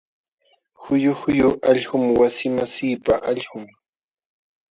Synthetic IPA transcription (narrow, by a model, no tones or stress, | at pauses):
xʊjʊhʊjʊʔaʎhʊmwasɪmasiːpaʔaʎhʊŋ